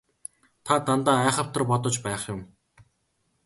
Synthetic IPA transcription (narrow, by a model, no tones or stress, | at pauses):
t̪ʰat̪ant̪aːæːχə̆w̥t̪ə̆rpɔt̪ɞ̆t͡ɕpæːχjʊm